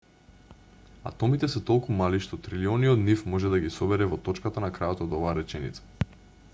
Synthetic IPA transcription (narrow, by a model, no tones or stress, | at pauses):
a̰t̪ɔmit̪ɛsɛt̪ɔlˠkumaliʃt̪ɔt̪ɾiliɔniɔd̪nifmɔʒɛd̪aɡisɔbɛɾɛvɔt̪ɔt͡ʃkat̪anakɾajot̪ɔod̪ɔvaːɾɛt͡ʃɛnḭt̪sḁ